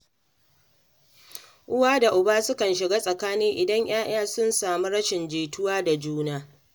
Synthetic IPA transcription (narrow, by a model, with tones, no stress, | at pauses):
ʔʊ˦waː˦da˨ʔʊ˨baː˦sʊ˦kɐ˨nʃɪ˨ɡaː˦sʼɐ˨kaː˦nɪ˦ŋʔɪ˨dɐ˦ɲj̰aː˦ʔaː˦sʊ˦nsaː˨mu˦ɽɐ˦ʃɪ˨nd͡ʒeː˨tʊ˦waː˦da˨d͡ʒuː˦naː˦